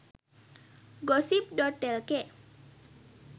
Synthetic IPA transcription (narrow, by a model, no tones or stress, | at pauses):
ɡɔsip̚ɖɔɖɛlke